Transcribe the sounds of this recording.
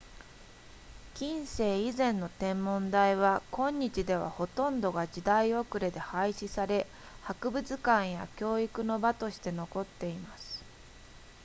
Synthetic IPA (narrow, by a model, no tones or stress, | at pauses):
kʲĩɰ̃se̞ːizẽ̞nːo̞t̪ẽ̞mːõ̞nd̪aiβakõ̞ɲ̟ːit͡ɕid̪e̞β̞a̰ho̞t̪õ̞nd̪o̞ɡad͡ʑid̪aio̞kɯ̟ɾe̞d̪e̞haiɕisaɾe̞ | hakɯ̟bɯ̟t͡sɨkãɰ̃ja̰kʲo̞ːikɯ̟no̞bat̪o̞ɕi̥t̪e̞no̞ko̞t̪ːe̞imasɨ̥